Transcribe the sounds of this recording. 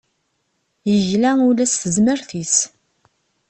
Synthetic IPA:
jəʝlæulæsθəzməɾθis

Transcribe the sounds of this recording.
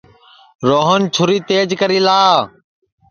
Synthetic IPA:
ɾoːɦənt͡ʃʰʊɾiːt̪eːd͡ʒkəɾiːlaː

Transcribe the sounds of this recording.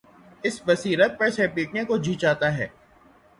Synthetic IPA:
ɪsbɐsiːɾət̪̚pɐɾsepiːʈnekod͡ʒʱiːt͡ʃaːt̪aɦɛ̰ː

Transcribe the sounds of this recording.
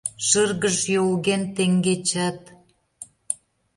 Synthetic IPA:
ʃərɣəʃjolɣent̪eŋɡet͡ɕæt̪

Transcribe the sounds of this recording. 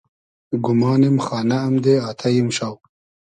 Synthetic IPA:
ɡʊmɑːnemxɑːnaːmd̪eɑːt̪ʰajimʃaw

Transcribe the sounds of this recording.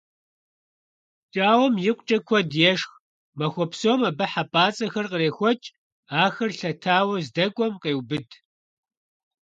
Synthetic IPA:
t͡ʃʼaːwɔmjɪqʷt͡ʃʼɐkʷʰɔdjɛʂx | mɐxʷɔpsowmɐbɐħapʼaːt͡sʼɐxɐrqəreːxʷɔt͡ʃʼ | aːxɐrɬɐtʰaːwɐzdɐkʷʼɔmqeːwbɨd

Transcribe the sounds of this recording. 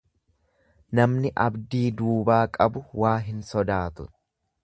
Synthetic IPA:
nɐmnɪʔɐbd̪iːd̪uːbaːkʼɐbʊwaːɦɪnsɔd̪aːt̪ʊ

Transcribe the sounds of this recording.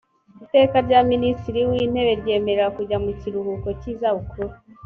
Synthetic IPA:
ite̞ːkaɾɟaministiɾiwiːn̥he̞βe̞ɾɟe̞ːme̞ɾeɾakuɟamuciɾuhuko̞ciːzaβukʰuɾe

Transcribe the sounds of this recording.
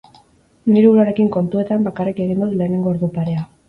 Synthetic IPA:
niɾuuɾaɾe̞kiŋko̞nt̪ue̞t̪ambakarike̞ɣ̞ind̪uðule̞ːne̞ŋɡo̞oɾðupaɾe̞a

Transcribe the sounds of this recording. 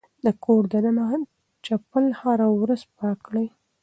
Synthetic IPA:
d̪əkʰoɾd̪anana | t͡ʃapəlhaɾawɾazpəakɽəj

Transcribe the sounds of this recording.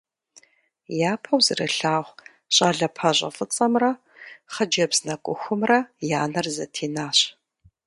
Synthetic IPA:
jaːpʰɐwzɨrɨɬaːʁʷ | ɕʼɐɮɐpʰɐʑʷʼɐ̰fɨt͡sʼɐmrɐ | χɐd͡ʒɐbznɐkʷʼʊxʷʊmrɐjaːnɐrzɐtʰeːnaːɕ

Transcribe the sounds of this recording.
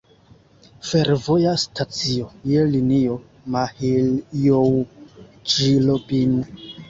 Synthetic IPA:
feɾvojastʰat͡siojelinio | mahiljow | t͡ʃilopin

